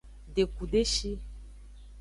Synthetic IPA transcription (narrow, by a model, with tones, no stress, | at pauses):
ɖe˨ku˨ɖe˦ʃi˦